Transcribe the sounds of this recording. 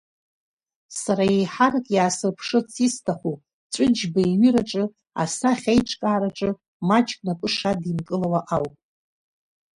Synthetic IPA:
saɾajejħarakʼjaːsɨrpʰʂɨt͡sʰistʰaχʷu | t͡ʃʷʼʊd͡ʒbaiɥiɾaʈ͡ʂʼɨ | a̰saχʲejʈ͡ʂʰʼkʼaːɾaʈ͡ʂʼɨ | mat͡ʃʼkʷʼnapʷʼɨʂadimkʼɨlawaʔawpʼ

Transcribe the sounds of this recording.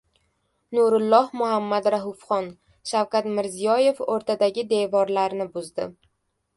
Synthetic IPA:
nuɾʊlˠːɒhmʊhamːad̪ɾaɦʊfχɒn | ʃawkʲat̪mɪɾzijɒje̞foɾt̪ʰad̪aɡʲɪd̪e̞vɒɾlaɾnɪbʊzd̪ɪ

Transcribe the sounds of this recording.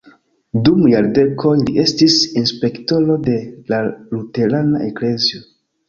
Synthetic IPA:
dumjaɾde̞kʰo̞jliʔe̞stisinspe̞kto̞lo̞de̞lalute̞ɾanaʔe̞kle̞zio

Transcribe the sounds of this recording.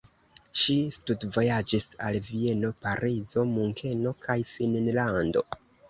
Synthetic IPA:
ʃistudvo̞jad͡ʒisa̰lvie̞no̞paɾizo̞muŋkʰe̞no̞kʰajfinnlando̞̰

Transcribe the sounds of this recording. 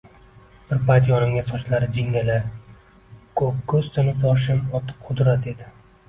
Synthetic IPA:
b̥ɪɾpʰajt̪jɒnɪmɡʲasɒt͡ʃlaɾɪd͡ʒɪŋʲala | kʰɵp̚kʰɵzt̪ʰɪnɪt̪ʰɒʃ̬ɪmɒt̪ʰɪ̥p̚qʰʊd̪ɾat̪e̞d̪ɪ

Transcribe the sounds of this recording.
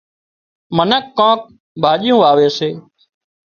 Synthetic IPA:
mənəkːãːk̚ | bʱaːʄɪjũːʋaːʋeːseː

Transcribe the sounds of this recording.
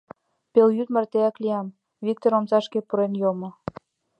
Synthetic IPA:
peljyt̪mərt̪eɑkliɑm | vik̚t̪oɾomsɑʃkepuɾenjomŏ

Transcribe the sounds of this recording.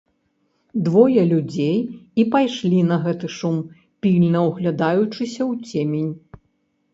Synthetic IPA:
d̪vɔjɐlʲud͡zʲejipajʂlʲinɐɣɛt̪ɨʂum | pʲilʲnɐwɣlʲɐd̪ajut͡ʂɨsʲɐwt͡sʲemʲenʲ

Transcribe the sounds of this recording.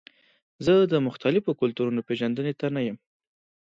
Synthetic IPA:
zəd̪əmʊxt̪alɪfokʊlt̪uɾunopeʒand̪ənet̪anajəm

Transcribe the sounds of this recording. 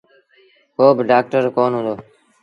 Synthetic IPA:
koːbɪɖaːk̚ʈəɾkoːnɦʊ̃nd̪oː

